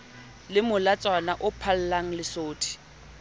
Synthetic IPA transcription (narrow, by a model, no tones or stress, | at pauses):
lɪmʊlat͡sʼwanaʔʊpʰal̩laŋ̩lɪsoːtʰi̥